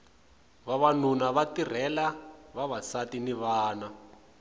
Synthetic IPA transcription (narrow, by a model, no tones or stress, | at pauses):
βaβanunaβatir̤ɛlaβaβasatiniβaːna